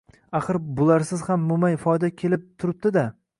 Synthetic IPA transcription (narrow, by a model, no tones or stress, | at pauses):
aχɨɾbʊlˠaɾsɪzhamːʊmajfɒjd̪akʲʰe̞lɪp̚t̪ʰʊɾɪp̚d̪ɪd̪a